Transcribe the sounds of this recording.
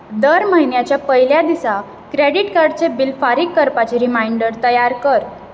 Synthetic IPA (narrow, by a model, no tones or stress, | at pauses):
d̪əɾməɦinjat͡ɕjapəɦiljad̪isa | kɾeɽiʈkaɾɖt͡sebilfaɾikːəɾpat͡ɕeɾimaiɳɖəɾt̪əjaɾkəɾ